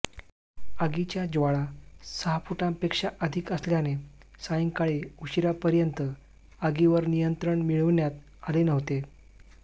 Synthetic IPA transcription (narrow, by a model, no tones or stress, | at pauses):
əɡit͡ɕjad͡zʋaɭasəɦapuʈampekʂaʔəd̪ʱikəsljane | sajiŋkaɭeuɕiɾapəɾjənt̪ə | əɡiʋəɾnijənt̪ɾəɳmiɭəʋnjat̪̚ | alenəʋt̪e